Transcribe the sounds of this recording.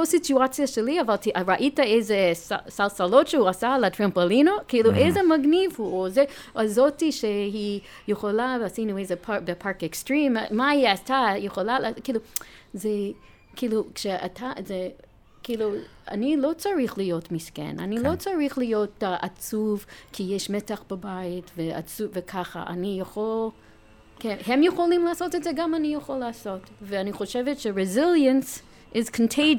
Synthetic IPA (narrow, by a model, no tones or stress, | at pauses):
osituat͡sjaʃeliavaltɹaʔitaezesa̰salsalotʃehuasaletɹampolinokiiluʔejzemaɡnivhuoze | azotiʃeɦi | jeχolalasinuejzepʰabepʰaɹkekstɹĩmmaiatajeχolalakiːluze | kilukʃea̰tʰaze | kʰilu | a̰nilot͡saɹiχlijotmiskɛ̰na̰nilot͡saɹiχlijotaʔat͡suvkʰijɛʃmɛtaχb̥abajitvea̰t͡suvɛkʰaχa̰ʔa̰nijaχol | kʰɛnhɛmjɛχolimlaasotɛtzɛɡamanijaχolaːsotveaniχoʃɛvɛtʃɛɹɛzɪljə̃ns | ʔɪzkʰəntʰeɪ